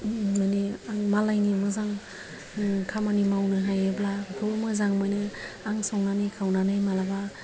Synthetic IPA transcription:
maniaŋmalajnimɯzaŋ | kʰamanimawnɯɦajɯblabʰɔmɯzaŋmajnɯaŋsɔŋnanɯjkʰawnanɯjmalaba

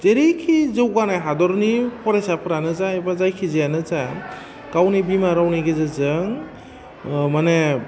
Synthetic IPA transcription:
zeɾikʰizɯwɡanajɦadɔɾnipʰɔɾesapʰɯɾanɯzaebazajkʰizijanɯza | ɡ̥awnibimaɾawniɡezɯzɯŋ | mane

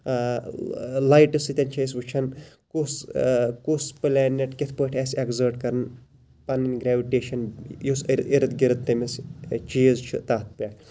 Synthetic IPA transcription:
lajʈɨsɨt̪ʲɐnt͡ʃʰɐis̬ʋut͡ʃʰɐn | kuskusplɛːnːeʈkʲit̪ʰpəːʈʰʲɛːsʲekzəːɾʈkɐɾɨn | pɐnːinʲɡɾɛːʋiʈeːʃɐnjusɾiɾɨt̪ɡiɾɨt̪ːɐmɐst͡ʃiːzt͡ʃʰḭt̪aːt̪̚ʰpʲaː

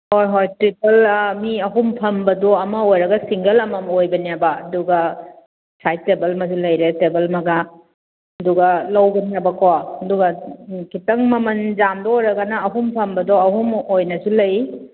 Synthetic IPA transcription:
hojɦojtɾipɐlmiɐɦumpʰɐmbɐdɔɐmɐojɾɐɡɐsiŋɡɐlɐmɐmojbɐnijabaɐduɡɐ | sajt̚ːebɐlmɐs̬ilɐjɾetebɐlmɐɡa | ɐduɡɐlɐwɡɐnabɐkawaɐduɡɐkitɐŋmɐmɐnd͡ʒamdɔojɾɐɡɐnɐːɦumpʰɐmbɐdɔɐɦumojnɐsulɐj

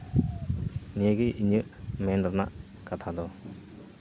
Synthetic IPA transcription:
nijaɡiʔiɲɯʔmɛnaɾna̰ʔ | kat̪ʰad̪ɔ

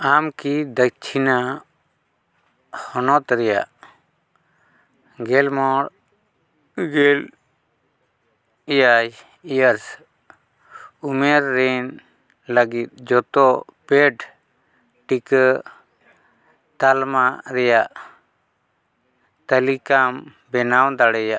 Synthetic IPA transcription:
amkid̪ək̚t͡ʃʰina | hɔnɔt̪ɾɛja̰ʔ | ɡɛlmɔɾ | ɡɛl | ijaj | ijəɾs | umɛɾːɛn | ləɡit̪̚d͡ʒɔt̪ɔpɛɖ | ʈikə | t̪almaɾɛjaʔ | t̪əlikam | bɛnawd̪aɽɛja

